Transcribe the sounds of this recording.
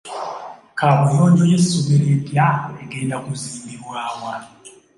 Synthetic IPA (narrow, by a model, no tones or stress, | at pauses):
kʰaβujoːndojesuβeɾedjaeɡendakuziːmbiβwaːwa